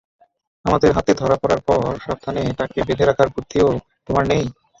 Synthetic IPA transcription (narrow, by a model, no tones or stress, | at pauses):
amad̪eɾɦat̪ed̪ʱɔɾapɔɾaɾpɔɾʃɾab̚t̪ʰaneʈakebed̪ʱeɾakʰaɾbuɾt̪ʰːio | t̪omaɾnej